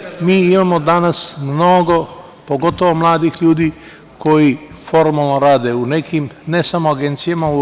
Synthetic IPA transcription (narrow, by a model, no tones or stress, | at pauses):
miːimamo̞d̪anasmno̞ɡo̞ | po̞ɡo̞t̪oʋomlˠaːd̪ixʎuːd̪iː | ko̞jifo̞ɾmalˠnoɾaːd̪eunekʰimnesamoaɡe̞nt̪sijamau